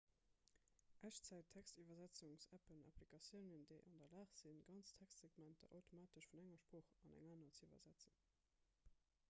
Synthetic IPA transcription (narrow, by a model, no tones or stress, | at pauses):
ʔæɕt͡sæɪtʰːækstivɐzæt͡sʊŋsæpənɑ̰plikɑsjəʊnəndəɪʔɑndɐlaːχz̥inɡɑnt͡stʰækstz̥eɡmæntɐ̰ʔɑʊtʰomaːtəʃfunæŋɐʃpʁoːχɑnæ̰ŋaːnɐt͡siːvɐ̰zæt͡sən